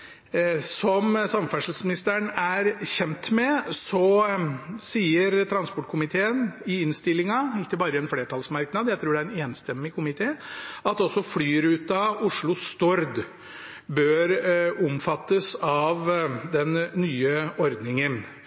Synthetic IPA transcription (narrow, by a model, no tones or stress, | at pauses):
sɔmsɑmfæʂl̩smɪnɪst̪əɳæɾçɛnt̪mɛsɔ | siːəɾt̪ʰɾɑnspɔʈːkʰʊmɪt̪ʰeːənɪɪnst̪ɪlːɪŋɑɪkːəbɑːɾəɛnfleːʈʰɑlsmɑɾknɑd̪jæɪt̪ʰɾuːɖɛæɾɛneːnst̪ɛmːɪkʰʊmɪt̪ʰeːɑt̪ɔsːɔflyːɾʉːt̪ɑʊʂɭʊst̪ɔɾd̪ | bøːɾʊmfɑt̪ːəsɑʋd̪ɛnːyːəɔɾd̪nɪŋən